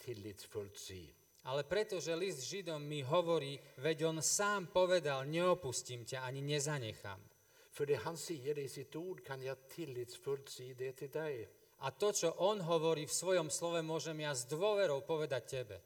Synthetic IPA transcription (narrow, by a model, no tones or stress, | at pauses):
t̪ʰɪlːiːt̪sfɵlt̪sḭː | alɛpɾɛt̪ɔʒɛlisd̪ʒid̪ɔmːiɦɔʋɔɾiːʋɛɟɔnsaːmpɔʋɛd̪alɲɛɔpuscimcaaɲiɲɛzaɲɛxa̰m | fœɖɛɦansiːəɾɪsɪt̪uːɖkʰanjaɡt̪ʰɪlːit̪sfɵlt̪siːd̪ɛt̪ʰɪld̪ɛɪ | ʔat̪ɔt͡ʃɔʔɔnɦɔʋɔɾiːfsʋɔjɔmslɔʋɛmʊɔʒɛmjazd̪ʋʊɔʋɛɾɔʊpɔʋɛd̪ac̚cɛbɛ̰